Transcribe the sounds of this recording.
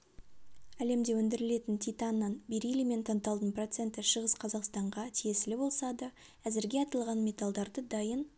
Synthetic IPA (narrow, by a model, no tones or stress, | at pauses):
æle̞md̪e̞wɵnd̪ɪɾɪle̞t̪ɪnt̪ʰʲit̪ɑnːɑnbeɾijlɪme̞nt̪ʰɑnt̪ɑlˠd̪ənpro̞t̪se̞nt̪ɪʃəʁəsqʰɑzɑqst̪ɑɴʁɑt̪ʰije̞sɪlɪbo̞lˠsɑd̪ə | æzɪɾɡʲe̞ɑt̪ɑlˠʁɑnmʲe̞t̪ɑlˠd̪ɑɾd̪əd̪ɑjən